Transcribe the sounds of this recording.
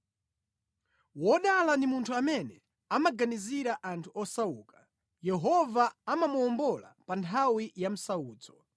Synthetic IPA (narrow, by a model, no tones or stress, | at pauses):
wɔɗalandimuntʰuamɛnɛ | amaɡaniziɾaʔantʰuɔsauːkḁ | jɛɦɔvaamamuɔmbɔla̰pantʰawijam̩sauːd͡zɔ